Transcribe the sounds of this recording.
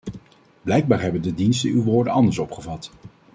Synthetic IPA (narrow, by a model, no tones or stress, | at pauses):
b̥lɛjɡ̚baːɹɦɛbəndədinstənywʋoːɹdənɑndəɹsɔpχəvɑt